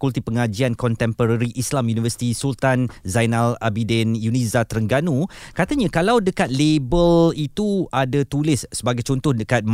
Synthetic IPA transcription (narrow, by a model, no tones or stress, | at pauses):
kult̪ipəŋad͡ʒiankɔnt̪ɛmpəɾaɾiʔislamjunivəsi̥t̪isult̪anzajnalabidɛnjunĩzat̪əɾəŋɡanũkat̪aɲãkalawdəkat̪̚lebəlit̪uadat̪ulɪsːəbaɡajt͡ʃɔnt̪ʊhdəkat̪̚m